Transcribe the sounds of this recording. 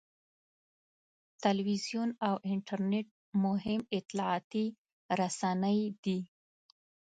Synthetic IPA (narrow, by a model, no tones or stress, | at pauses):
t̪alwizjunawʔɪɳʈaɾneʈ̚ | mʊɦɪmɪt̪lɑɑt̪i | ɾasanəjd̪i